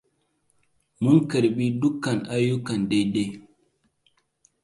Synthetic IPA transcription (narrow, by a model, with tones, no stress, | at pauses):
mu˦ŋkə˨ɾɓi˦du˦kːa˨na˦ju˦kːa˨nde˦jde˦